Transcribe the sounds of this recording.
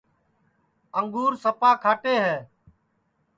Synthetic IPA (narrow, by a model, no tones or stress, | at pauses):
əŋɡuːɾsəpaːkʰaːʈeːɦɛː